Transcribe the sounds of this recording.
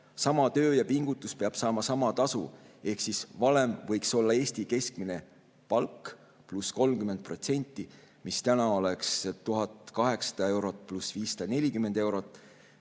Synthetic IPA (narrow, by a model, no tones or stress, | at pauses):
sɑmɑt̪ø̞ːjɑpiŋɡ̥ut̪ːˑuspeɑb̥sɑːmɑsɑmɑt̪ɑsṵe̞hksisvɑlemvɤjkso̞lːɑe̞ːst̪ike̞skmine̞ | pɑlk | plusko̞lmkyment̪̚pro̞t̪se̞nʲt̪ːˑi | mist̪ænɑo̞le̞kst̪uɦɑt̪ˑkɑɦe̞ksɑ̥d̪̥ɑe̞wɾo̞t̪̚ːˑplusviːssɑ̥d̪̥ɑne̞lʲikymːe̞nd̪̥e̞wɾo̞t̪ːˑ